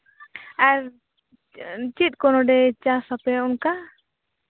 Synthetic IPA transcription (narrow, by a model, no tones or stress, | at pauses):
aɾ | t͡ʃit̪̚ˀkɔnɔɖɛt͡ʃasapɛɔnka